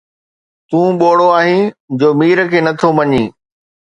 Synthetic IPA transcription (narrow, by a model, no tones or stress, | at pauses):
t̪ũːɓoːɽoaːɦĩd͡ʑoːmiːɾkʰeːnɐt̪ʰomɐɲĩː